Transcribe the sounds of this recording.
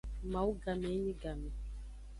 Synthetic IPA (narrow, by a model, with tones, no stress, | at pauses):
ma˨u˦ɡa˨mɛ˨˦ni˦ɡa˨mɛ˨